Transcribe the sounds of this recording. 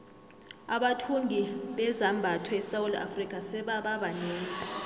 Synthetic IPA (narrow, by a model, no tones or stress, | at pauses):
aɓatʰuŋʱiɓɛzambʱatʰwɛɛsawula̰frikʼasɛɓaɓaɓanɛːn